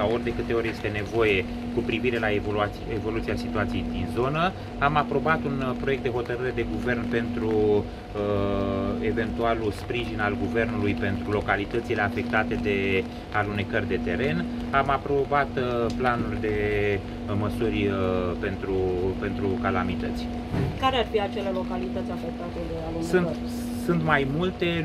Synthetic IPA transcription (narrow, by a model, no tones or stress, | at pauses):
sao̞rʲd̪e̞kɨt̪eo̞rʲje̞st̪e̞ne̞vo̞je̞ | kupɾiviɾe̞laevola | evo̞lut̪iasit̪uat̪sije̞jd̪inzo̞nə | amapɾo̞bat̪unpɾojek̚t̪d̪e̞ho̞t̪əɾɨɾe̞d̪e̞ɡuve̞rnpe̞nt̪ɾu | e̞ve̞nt̪ualuspɾiʒinalɡuve̞rnulujpe̞nt̪ɾulo̞kalit̪ət̪sile̞afe̞k̚t̪at̪e̞d̪e̞ | alune̞kərʲd̪e̞t̪e̞ɾe̞n | amapɾo̞bat̪planurʲd̪e̞ | məsurʲpe̞nt̪ɾupe̞nt̪ɾukalamit̪ət̪sʲ | kaɾearfiat͡ʃe̞le̞lo̞kalit̪ət̪sʲafek̚t̪at̪ed̪ealusunt̪ | sunt̪majmult̪e̞